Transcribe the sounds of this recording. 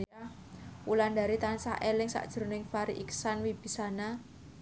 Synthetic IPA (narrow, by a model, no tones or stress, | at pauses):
a | wuland̪a̤ɾit̪ansa̰ʔelɪŋsa̰ʔd̥ʒ̥ə̤ɾnɪŋfaɾiʔiksanwib̥i̤sana